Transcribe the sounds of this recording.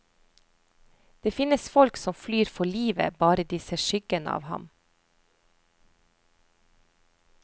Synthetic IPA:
d̪̥eːfɪnəsfɔlksɔmflyːɾfɔɭiːʋə̰bɑːɾəd̪iːseʃʏɡ̥ənəɑ̰ːʋhɑ̰m

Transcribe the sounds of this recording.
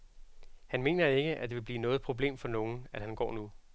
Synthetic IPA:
hænme̝̰ːnɐe̝ɡ̥əʔæd̥e̝ʋe̝b̥liːnɔ̽ːð̞̩ˠpʰʁo̝b̥le̝̰ːmfɒ̽no̝ːn̩æd̥hænɡ̥ɒ̰ːnu

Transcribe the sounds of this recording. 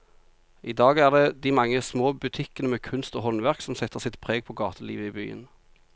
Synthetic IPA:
ʔid̪ɑːɡæːʁd̪eːd̪iːmɑŋːəsmoːbʉt̪ʰɪkənəmeːkʰʉnst̪oːɦɔnʋæʁksɔmsɛt̪ːəʁsɪt̪pʰʁeːɡ̚pʰoːɡɑːt̪ʰəlḭːʋəiːby̰ːə̰n

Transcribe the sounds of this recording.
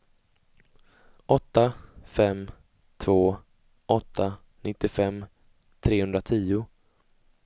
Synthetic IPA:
ʔɔt̪ːafɛm | t̪ʰvoː | ɔt̪ʰːa | nʔɪt̪ːɪfɛm | t̪ʰɾeːhɵnd̪ɾat̪ʰiːʊ

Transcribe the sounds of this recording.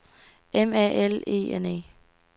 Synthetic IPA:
emɛʔele̝̰ːenḛː

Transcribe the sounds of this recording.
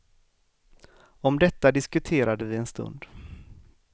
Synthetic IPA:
ɔmd̪ɛt̪ːad̪ɪskɵt̪ʰeːɾad̪əvɪɛnst̪ɵ̰nd̪

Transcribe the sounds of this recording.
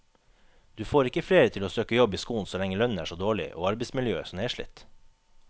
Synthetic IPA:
d̪̥ʉːfoːɾɪkəfleːɾət̪ʰɪloːsøːkəjɔbiːskuːn̩sɔlɛŋːəlœnn̩æ̰ːʂoːd̪oːɭɪ̰ʔo̰ːɑɾbɛɪsmɪljø̰ːsɔmeːʂɭɪ̰t̪ː

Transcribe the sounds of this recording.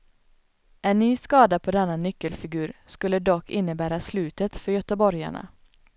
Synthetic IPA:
ʔɛnnːyːskɑːd̪apʰoːd̪ɛnːanʏkːəlfɪɡʉːɾskɵlːəd̪ɔkʰːɪnːəbæːɾaslʉːt̪ət̪fœɾjœt̪əbɔɾja̰ɳa̰

